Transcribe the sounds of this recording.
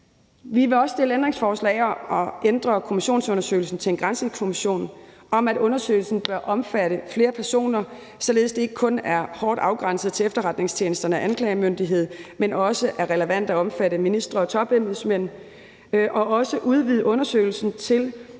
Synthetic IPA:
ʋiʋe̝ɒ̽ssd̥e̝ləendʁeŋsfɒːslɛ̰ɪɒʔɒ̽end̥ʁɐkʰo̝miɕo̝̰ːn̩sɔ̽nɐsø̰ɪl̩sn̩t͡sʰe̝enɡ̥ʁɑnsəkʰo̝miɕo̝̰ːn | ɒ̽mædɔ̽nɐsø̰ɪl̩sn̩b̥ɶɐʔɒ̽mfæɾ̥əfle̝ːɐpʰæɐso̝̰ːnɐ | sɒ̽le̝ð̞̩ˠsd̥e̝e̝ɡ̥əkʰɔ̽næɐhɒːd̥ɑ̈ʊɡ̥ʁɑ̈n̰səð̩ˠt͡sʰe̝efd̥ɐʁɑ̈d̥ne̝ŋst͡ɕʰje̝ːnəsd̥ɐnəæʔænkʰlɛɪmønd̥iɦe̝ð̞̰ˠmenɒ̽səʔæɐʁɛləʋæn̰d̥æɒ̽mfæɾəminisd̥ʁɐɒ̽t͡sʰɒ̽b̥emð̩ˠsmen̰ | ʔɒ̽ɒ̽səʔuð̞ˠʋiðˠəɔ̽nɐsø̰ɪl̩sn̩t͡sʰe̝l

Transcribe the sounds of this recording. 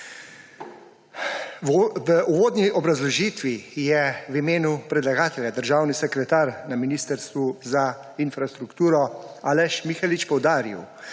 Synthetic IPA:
əuʋoːd̪nʲiʔɔbɾazlɔʒiːt̪ʋijɛʋimeːnupɾɛd̪laɡaːt̪ɛljad̪əɾʒaːwnisɛkɾɛt̪aːɾnaminiːst̪əɾst̪ʋuza | infɾast̪ɾukt̪uːɾɔaːlɛʃmixalit͡ʃpɔwd̪aːɾḭw

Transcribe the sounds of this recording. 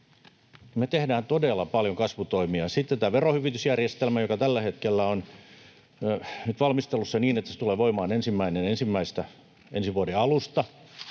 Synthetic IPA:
met̪ehdæːnt̪odelːɑpɑljoŋkɑsʋut̪oimiɑsit̪ːent̪æːʋerohyʋit̪ysjærjest̪elmæjokɑt̪ælːæhet̪kelːæon | nyt̪ʋɑlmist̪elːusːɑniːnet̪ːæse̥t̪uleːʋoimɑːnensimːæinenensimːæist̪æ | ʔensiʋuodeɑlust̪ɑ

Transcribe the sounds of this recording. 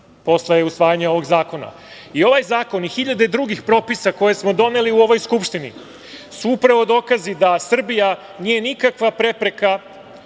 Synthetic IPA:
po̞sleusʋaːjaɲeo̞ʋo̞ɡzaːko̞na̰ | io̞ʋajzaːko̞nixiʎad̪e̞d̪ɾuɡixpɾo̞pisako̞je̞smo̞d̪o̞ne̞liuo̞ʋo̞jskupʃt̪inḭ | suupɾaʋo̞d̪o̞ːkazid̪asr̩bija | niːje̞nikakʋapɾe̞pɾe̞ka

